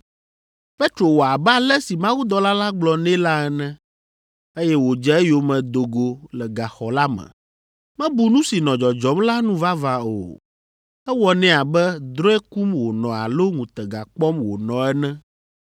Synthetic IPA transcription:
fe˦t̪ɾo˨wo˨a˨bɛ˦a˦˨lɛ˦si˨mã˦wu˦d̪ɔ˦la˦la˦ɡ͡blɔ˨nɛ̃˦la˦ɛ˦nɛ̃˦ | e˦jɛ˦wo˨d͡ʒɛ˦ɛ˦jo˨mɛ̃˨d̪o˨ɡo˨lɛ˨ɡa˨xɔ˨la˦mɛ̰̃˨ | mɛ̃˦bu˨nũ˦si˨nɔ̃˨d͡ʒɔ˨d͡ʒɔ˨˦mla˦nũ˦va˦va˨o̰˨ | ɛ˦wɔ˦nɛ̃˦a˨bɛ˦d̪ɾɔ˦ɛ˦ku˦mwo˨nɔ̃˨a̰˨lo˦ŋũ˨t̪ɛ˨ɡa˨k͡pɔ˦mwo˨nɔ̃˨ɛ˦nɛ̃˦

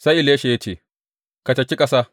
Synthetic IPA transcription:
sɐ˦ɪ˦˨leː˦ʃeː˦t̪ʰi˨ | kɐ˨t͡ʃːɐ˨t͡ʃːɪ˦kʼɐsɐ˦

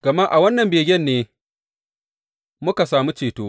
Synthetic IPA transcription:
ɡ̥ɐ˨maː˦ʔa˨wɐ˦nːɐ˨mbeː˨ɡʲɛ˦˨nːeː˦ | mʊ˦ka˨saː˨mu˦t͡ʃeː˨toː˦

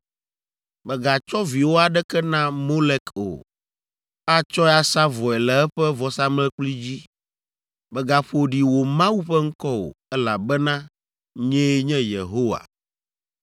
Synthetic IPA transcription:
bɛ˨ɡa˨t͡ʃɔ˦vi˨wo˦a˨ɖɛ˦kɛ˦nã˦mo˦lɛ˦ko̰˨ | a˦t͡ʃɔ˦a˦sa˦vɔ˨ɛ˨lɛ˨ɛ˦ɸɛ˦vɔ˨sa˦mlɛ˦k͡pli˦d͡ʑi˦ | bɛ˨ɡa˨ɸo˦ɖi˨wo˨mã˦wu˦ɸɛ˦ŋ̩˦kɔ˦wo̰˨ɛ˦la˨bɛ˦nã˦ | ɲɛ̃˦ɲɛ̃˦jḛ˨ɦo˦wa̰˨

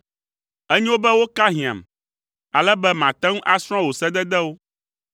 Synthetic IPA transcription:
ɛ˦ɲĩ˦wo˦bɛ˦wo˦ka˦ɦĩ˨ã̰˨m˨ | a˨lɛ˦bɛ˦mã˨t̪ɛ̃˦ŋũ˦ʔa˦sɾ̃ɔ̃˦wo˨sɛ˦d̪ɛ˦d̪ɛ˦wo˦

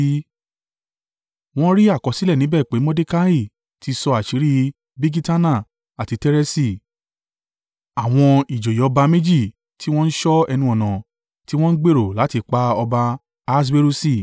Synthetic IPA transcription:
w̃ɔ̃˦ɾi˦a˦˨kɔ˨˦si˨˦lɛ˦˨nĩ˨˦bɛ˦˨k͡pe˨˦mɔ̃˦de˦ka˦i˦˨ | ti˧˦sɔ˧a˨ʃi˨˦ɾi˦ | bi˦ɡi˦ta˦nã˦˨ | a˨ti˧tɛ˦ɾɛ˦si˦˨ | a˨w̃ɔ̃˧i˨d͡ʒo˨jɔ˧ba˧me˦d͡ʒi˦˨ | tʰi˦w̃ɔ̃˦n̩˦ʃɔ˦ɛ˧nũ˧ɔ˨nã˨ | ti˦w̃ɔ̃˦n̩˦ɡ͡be˦˨ɾo˨la˨˦ti˧k͡pa˧ɔ˧ba˧ | a˧s̬be˦ɾu˦si˦˨

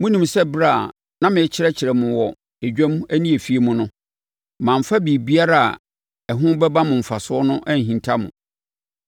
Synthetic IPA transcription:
mʊ̃˦nĩ˨msɛ˦bɾa˦˨ | nã˦mɪ̃˨ɛ˦t͡ɕʰɪ˦ɾɛ˦t͡ɕʰɪ˨ɾɛ˨mʊ̃˨wɔ˨ | e˨d͡ʑᶣæ̃˦mu˦æ˦nĩ˦e˨fi˦e˦mʊ̃˦nʊ̃˦ | mã˨m̩˨fa˦bi˨bi˦a˦ɾa˦a̰˨ | ɛ˨ɦʊ̃˦bɛ˦ba˦mʊ̃˨m̩˨fa˨sʊ˦ɔ˦nʊ̃˦ʔæ˦n˨ɦĩ˨ntʰa˦mʊ̰̃˨

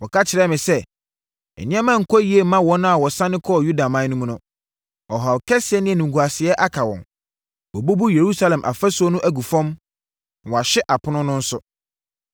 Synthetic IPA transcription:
wɔ˨kʰa˦t͡ɕʰɪ˨ɾɛ˦mɪ̃˨sɛ˦ | ɛ̰˨nɪ̃˦ɛ̃˦mã˦˨ŋ̩˨kʰɔ˦ji˦e˨mã˦wɔ̃˦nʊ̃˦a˨wɔ˨sã˦nɪ̃˦kʰɔ˦˨ju˦da˨mã˨˦nũ˦m̃˦nʊ̃˦ | ɔ˨ɦa˨kʰɛ˦sɪ˨ɛ˦nɪ̃˦ɛ˨nũ˨ŋ˨ɡu˨a˨sɪ˨ɛ˦ʔa˦kʰa˨wɔ̰̃˨n | wɔ˨bu˦bu˦je˨ɾu˦sa˦lɛ̃˨mʔa̰˨fɛ˦sʊ˨˦ɔ˦nʊ̃˦ʔæ˦˨ɡu˨fɔ̃˦m˨ | wɔ˨a˨ɕɪ˦ʔa˨pʰʊ˦nʊ̃˦nʊ̃˦n̩˦sʊ˦

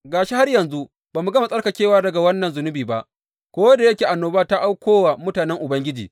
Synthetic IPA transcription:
ɡaː˨ʃi˦ha˦rjɐ˨nzu˦ʔ | baː˨mu˨ɡɐ˦ma˨sʼɐ˦rka˨kʲeː˦waː˦dɐ˨ɡa˨wɐ˦nːɐ˨nzʊ˨nʊ˦biː˨ba˦ʔ | kʷoː˦wɐ˦da˨jɐ˦kʲeː˨ʔa˨nːoː˦baː˦ta˦ʔa˦wkʷoː˦wa˨mʊ˦taː˨nɛ˦ŋʔʊ˨bɐ˦ŋɡʲɪ˦d͡ʒiː˨

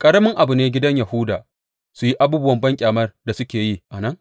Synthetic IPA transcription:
kʼɐ˦ɽɐ˦mɪ˦ŋʔa˨bʊ˨neː˦ɡʲɪ˦dɐ˦ɲja˨hʊ˦daː˨ | su˨ji˦ʔa˦buː˦bʊ˦wɐ˨mbɐ˦ŋkʲʼaː˨mɐ˦rda˨sʊ˦kʲeː˨ji˦ʔa˨nɐ˦ŋ

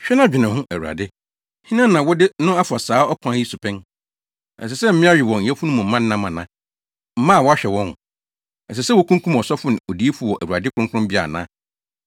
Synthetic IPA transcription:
ɕᶣɛ˦nã˦d͡ʑᶣɪ˨nã˨hʊ̃˦ʔæ˨wu˨ɾa̰˨dɪ˦ | hĩ˦nã˦nã˨wɔ˦dɪ˦ʊ̃˦a˦fʊ˨a˨saː˨˦ɔ˦kʷʰã˨˦ji˦su˨pʰɛ̃˦n | ɛ̰˨s̬ɛ˨sɛ˦m̩˦mɪ̃˦a˦ɥɪ˨wɔ˨ɲ̩˨˦ɛ˦fu˦nʊ̃˦mʊ̃˨m̩˦mã˦n̩˦nã˦mã˨nã̰˦ | m̩˦mã˦˨wɔ˦a˦ɕᶣɛ˨wɔ̃˦n˨ | ɛ˨s̬ɛ˨sɛ˦wɔ˦kʰũ˦ŋkʰũ˦mɔ˨sɔ˦fʊ˦nɪ̃˨ɔ˨di˨˦e˦fʊ˨˦˨wɔ˨ʔæ̰˨wu˨ɾa˨dɪ˦kʰʊ˦ʊ̃˦kʰʊ̃˦mbi˦a̰˨nã˦

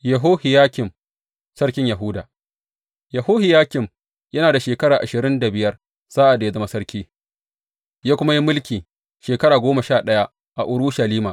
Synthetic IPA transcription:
jɐ˨ɦoː˦hɪ˨jaː˦kʲɪ˨m | sɐ˦ɽkʲɪ˦ɲjɐ˨ɦʊ˦daː˨ | jɐ˨hoː˦hɪ˨jaː˦kʲɪ˨m | jɐ˦naː˨da˨ʃeː˨kɐ˦ɽaː˨ʔa˨ʃɪ˨ɾɪ˦nda˨bɪ˨jɐ˦r | z̥aː˦ʔa˨da˨a˦zɐ˦ma˦sɐ˦ɾkʲiː˦ | jaː˦kʷʊ˦ma˦ji˦mʊ˦lkʲiː˨ | ʃeː˨kɐ˦ɾaː˨ɡʷoː˦mɐ˨ʃaː˦˨ɗɐ˦ja˦ | ʔa˨ʔʊ˨ɽʊ˦ʃɐ˨liː˦maː˨ʔ

